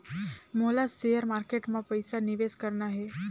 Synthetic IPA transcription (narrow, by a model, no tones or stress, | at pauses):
molasejəɾmaːɾkeʈmãpəjsanɪʋeːskəɾnaɦe